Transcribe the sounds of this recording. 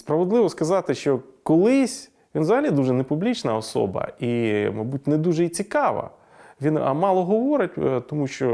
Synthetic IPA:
spɾɐʋed̪lˠɪʋɔskɐzɑt̪ɪʃt͡ʃɔkɔlˠɪsʲ | ʋʲinzɐɦɐlʲid̪uʒɛnepublʲit͡ʃnɐɔsɔ̰bɐ̰imɐjbut̚ʲned̪uʒɛit͡sʲikɑʋɐ̰ | ʋʲinɐ̰mɑlˠɔɦɔʋɔɾɪtʲt̪ɔmuʃt͡ʃɔ

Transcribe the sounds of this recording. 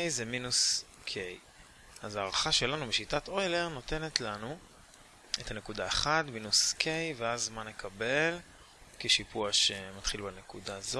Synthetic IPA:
jzeminus | kʰej | azaːʁaχaʃe̞lanubeʃitato̞ele̞ʁno̞te̞ne̞tlanu | e̞tane̞kudae̞χadminuskʰejveazmanekʰabe̞l | keʃipuaʃe̞matχilbanekudaːzo

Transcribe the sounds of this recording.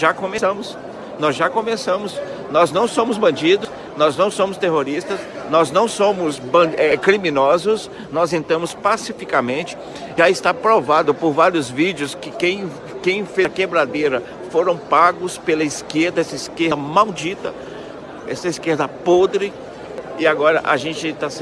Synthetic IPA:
ʒakõmesɐ̃mʊs | nɔzʒakõmesɐ̃mʊs | nɔznɐ̃w̃sõmʊzbɐ̃nd͡ʒid̪ʊs | nɔznɐ̃w̃sõmʊst̪eɦoɾist̪ɐsnɔznɐ̃w̃sõmʊsbɐ̃ɛkɾimĩnɔzʊs | nɔzẽnt̪ɐ̃mʊspasifikamẽnt͡ʃɪ̥ | ʒaɪst̪apɾovad̪ʊpoɾvaɾiʊzvid͡ʒjʊskɪkẽj̃ | kẽj̃fekebɾad̪ejɾɐ | foɾɐ̃w̃paɡʊspelɐiskeɾd̪ɐɛsɐiskeɾmawd͡ʒit̪ɐ | ɛsɐiskeɾd̪ɐpod̪ɾɪ | ɪaɡɔɾɐ̰ʔaʒẽnt͡ʃɪt̪as

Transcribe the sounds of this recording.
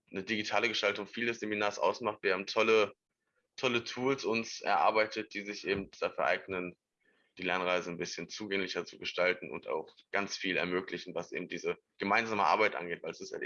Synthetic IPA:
nədiɡitʰaːləɡəʃtaltʊŋfiːldɛsz̥eminaːɐsʔa̰ʊsmaχtv̥iːeːm̩tʰɔlə | tʰɔlətʰuːlsʊnsʔɛ̰ɐʔa̰ɐbaɪtʰət̚d̥iːzɪçʔeːbm̩td̥afyːɐʔa̰ɪɡnən | d̥iːlɛɐnʁaɪzənbɪsçənt͡suːɡɛŋlɪçɐt͡suɡəʃtaltn̩ʊ̰nta̰ʊχɡ̥ant͡sfiːlɛ̰ɐmøːklɪçn̩vasʔḛːbm̩d̥iːzə | ɡ̥əmaɪnzaːməʔa̰ɐbaɪtʔa̰nɡeːtv̥aɪlɛsɪstja̰

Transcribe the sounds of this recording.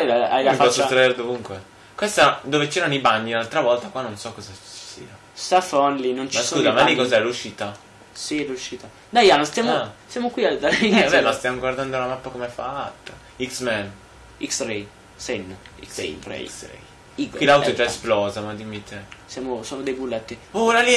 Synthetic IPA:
aaajlafaɔot̪ːɾaeɾd̪ovuŋkwe | kwest̪ad̪oːvet͡ʃɛːɾanoibaɲːinalt̪ɾavɔlt̪akwanonsɔkːɔzat͡ʃi̥sḭːa | safɔnlinont͡ʃiaskuːzamalikɔzaɛluʃiːt̪a | siluʃiːt̪a | d̪ajanost̪jamoasjamokwiad̪aiabɛlast̪jamoɡward̪and̪olamapːakomefa̰at̪ːa | iksmɛn | iksɾej | sɛnsɛ̰mpɾḛsɛ̰ | ikkwilawt̪ot͡ʃɛsplɔːzamad̪imit̪ʰesjaːmosoːnod̪ejbulːɛt̪ːiolali

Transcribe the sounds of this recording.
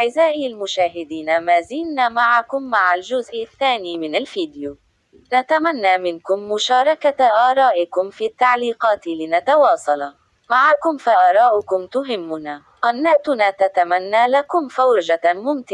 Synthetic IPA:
ʕɪzaːʔɪalmʊʃaːɦɪd̪iːnamaːziːlnaːmaʕakʊmːaʕald͡ʒʊzʔɪθːaːniːmɪnalfiːd̪ɪjuː | nat̪amanːaːmɪnkʊmːʊʃɑːɾˤɑkaʔaːɾˤɑːʔɪkʊmfiːt̪ːaʕliːqɑːt̪ɪlɪnat̪ɑwɑːsˤɑlɑ | maʕakʊmfaʔaːɾˤɑːʔʊkʊmt̪ʊɦɪmːʊnaː | qɑdnːaːʔt̪ʊnaːt̪at̪amanːaːlakʊmfawɾʒamʊmt̪ɪ

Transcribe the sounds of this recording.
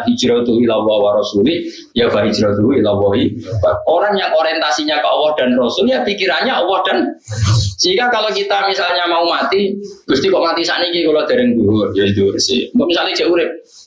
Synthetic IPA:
ɦi̥ʒ̥ɾad̪uwilawawaɾɔsuli | jab̥aɦi̥d͡ʒ̥ɾad̪uwuilawɔɦibaoɾaŋjaŋoɾiɛnt̪asiɲakaʔɔwɔd̪̥a̤nrɔsʊljapikiɾanɲaɔwɔd̥a̤n | sikakalokit̪amisalɲamaumat̪iɡ̥ust̪ikɔʔmat̪isa̰ʔnikikulɔd̪̥a̤ɾɪŋd̪uɦʊrjad̪uɾsiɔʔmisalni̥d͡ʒ̥ɛʔuɾɪp̚

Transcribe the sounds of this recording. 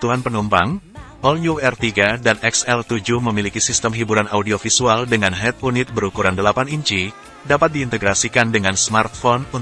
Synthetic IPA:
t̪uɦanpənumpaŋ | ɔljuɛrt̪iɡadanɛksɛlt̪ud͡ʒuhməmilikisist̪əmɦibuɾanaudiofisualdəŋanɦɛt̪̚unɪt̪̚bəɾukuɾandəlapaniɲt͡ʃi | dapat̪̚diːnt̪əɡɾasikandəŋansmart̪̚fɔnu

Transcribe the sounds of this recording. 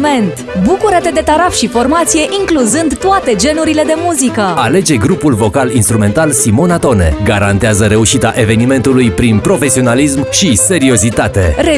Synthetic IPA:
me̞nt̪ | bukuɾət̪e̞d̪e̞t̪aɾafʃifo̞rmat̪sije̞ʔiŋkluzɨnd̪t̪oat̪e̞d͡ʒe̞nuɾile̞d̪e̞muzikəale̞d͡ʒe̞ɡɾupulvo̞kalinst̪ɾume̞nt̪alsimo̞nat̪o̞ne̞̰ɡaɾant̪eazəɾe̞uʃit̪a̰ʔe̞ve̞nime̞nt̪ulujpɾinpɾo̞fe̞sio̞nalismʃise̞ɾio̞zit̪at̪e̞ɾe

